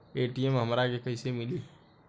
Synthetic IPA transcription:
eːʈiɛmɦəmɾakekəɪsemɪli

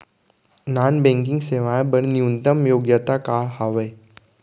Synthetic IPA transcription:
nanbẽŋkiŋɡseʋajbəɳniunt̪əmjoɡjət̪akaɦaʋəj

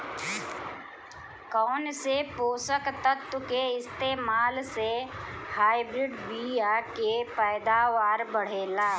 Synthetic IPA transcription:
kɔːnsepoːsəkt̪ət̪wkeɪst̪eːmaːlsehaːɪbɾɪɖbiːjaːkepɛːɪd̪aːʋaːɾbəɽ̤eːlaː

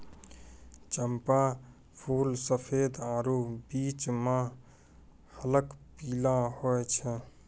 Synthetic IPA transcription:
t͡ʃəmpa | pʰuːlsəpʰed̪aɾubit͡ʃmã | hələkpilahojt͡ʃʰɛ

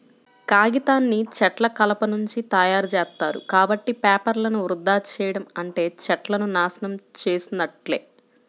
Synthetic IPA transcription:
kaːɡit̪aːnːit͡ʃɛʈlɐkɐlɐpɐnuɲt͡ʃit̪ɐjaːɾt͡ʃɛːst̪ːaːɾṵkaːbɐʈːipɛːpɐɾlɐnuʋɾud̪ːaːt͡ʃɛːjɐɽɐmɐɳʈe̞ːt͡ʃɛʈlɐnunaːsɐnɐmt͡ʃe̞ːsinɐʈle̞ː

